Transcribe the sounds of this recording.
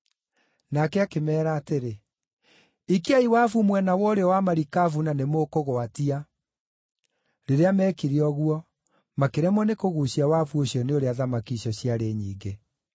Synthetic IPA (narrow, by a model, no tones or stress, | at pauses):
nakɛakemɛːɾaːteɾe | ikiaiwafumwɛnawɔɾeɔwamaɾikafunanemokoɣoatia | ɾeɾeamɛːkiɾiɔɣuɔ | makeɾɛmɔnekoɣuɕiawaːfuoɕjɔneoɾeaðamakiɕɔɕiaɾeːɲiːŋɡe